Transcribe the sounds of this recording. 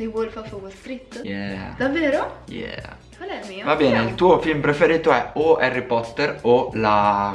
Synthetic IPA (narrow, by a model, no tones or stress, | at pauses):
d̪iwolfafoɡolst̪ɾit̪ːjɛd̪avːeːɾojɛ̰ | kalɛmiːvabɛːneilt̪uːofilmpɾefeɾiːt̪oɛoɛrːipɔt̪ːerola